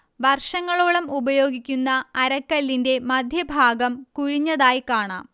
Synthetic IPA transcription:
ʋɐrʂɐŋːɐɭoːɭɐmubɐjo̞ːɡikʲːunːɐːɾɐkːɐlːinde̞mɐd̪ʱjɐbʱaːɡɐmkuɻiɲːɐðaːjkaːɳa̰ːm

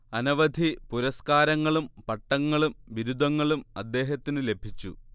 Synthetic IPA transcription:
ɐnɐʋɐd̪ʱipuɾɐskaːɾɐŋːɐɭumpɐʈːɐŋːɐɭumʋiɾud̪ʱɐŋːɐɭumɐ̰d̪ːe̞ːɦɐt̪ːinɨle̞bʱit͡ɕːṵ

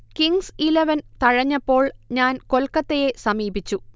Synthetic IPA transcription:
kiŋsileʋɐnt̪ɐɻɐɲːɐpːo̞ːɭɲaːnko̞lkːɐt̪ːeje̞sɐmiːbit͡ɕːu

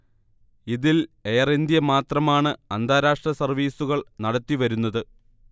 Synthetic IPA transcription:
iðile̞ːrend̪jɐmaːt̪rɐmaːɳɨɐnd̪ʱaːɾaːʂʈrɐsɐrʋiːsuɣɐɭnɐɽɐt̪ːiʋɐɾunːɐðɨ

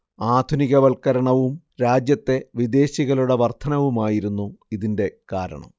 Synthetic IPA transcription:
aːd̪ʱuniɣɐʋɐlkɐɾɐɳɐʋum | ɾaːd͡ʑjɐt̪ːe̞ʋid̪e̞ːɕiɣɐluɽeʋɐrt̪ʰɐnɐʋumaːjiɾunːuiðinde̞kaːɾɐ̰ɳɐ̰m

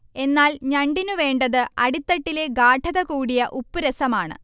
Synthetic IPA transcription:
e̞nːaːlɲɐɳɖinuʋe̞ːɳɖɐðɨɐɽit̪ːɐʈːile̞ɡaːʈʰɐðɐkuːɽijɐʔupːuɾɐsɐmaːɳɨ̰

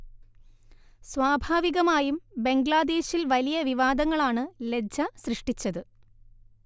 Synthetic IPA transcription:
sʋwaːbʱaːʋiɣɐmaːjumbe̞ŋɡɭaːd̪e̞ːɕilʋɐlijɐʋiʋaːd̪ɐŋːɐɭaːɳɨled͡ʑɐsrɨʂʈit͡ɕːɐðɨ

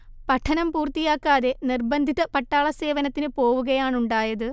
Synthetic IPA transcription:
pɐʈʰːɐnɐmpuːrt̪ijaːkːaːðe̞nirbɐnd̪ʱit̪ːɐpɐʈːaːɭɐse̞ːʋɐnɐt̪ːinɨpo̞ːʋuɣɐjaːɳuɳɖaːjɐðɨ

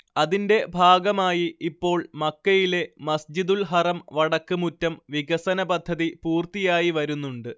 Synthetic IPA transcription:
ɐðinde̞bʱaːɡɐmaːjiipːo̞ːɭmɐkːɐjile̞mɐsd͡ʑid̪ulɦɐrɐmʋɐɽɐkːɨmutːɐmʋiɡɐsɐnɐbɐd̪ʱːɐðipuːrt̪ijaːjiʋɐɾunːuɳɖɨ

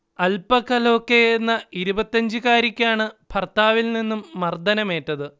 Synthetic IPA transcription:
ɐlpɐkːɐlo̞ːkːejenːɐiɾubɐt̪ːɐɲd͡ʑɨkaːɾikʲːaːɳɨpʰɐrt̪aːʋilninːumːɐrd̪ɐnɐme̞ːtːɐðɨ

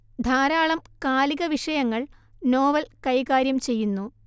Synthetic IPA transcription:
d̪ʱaːɾaːɭɐmkaːliɣɐʋiʂɐjɐŋːɐɭno̞ːʋɐlkɐjkaːɾjɐmt͡ɕe̞jːunːu

